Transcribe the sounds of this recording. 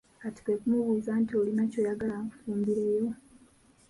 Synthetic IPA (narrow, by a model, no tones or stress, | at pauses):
kati̥kekumuβuːzantio̞linaco̞ːjaɡalaŋkufuːmbiɾejo̞